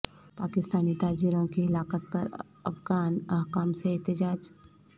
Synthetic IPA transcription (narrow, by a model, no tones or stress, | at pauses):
paːkɪst̪aːnit̪aːd͡ʒiɾõkiɪlaːqət̪̚pɐɾ | ɐ̰fɡaːnaɦkaːmseɛɦt̪əd͡ʒaːd͡ʒ